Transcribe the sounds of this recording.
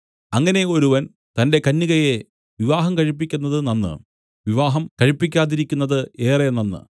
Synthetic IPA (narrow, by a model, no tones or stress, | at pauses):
ɐŋːɐne̞o̞ɾuʋɐn | t̪ɐnde̞kɐnːiɣɐje̞ | ʋiʋaːɦɐmkɐɻipːikʲːunːɐðɨnɐnːɨ̰ | ʋiʋaːɦɐmkɐɻipːikʲːaːðiɾikʲːunːɐðɨe̞ːrɐnːɐnːɨ̰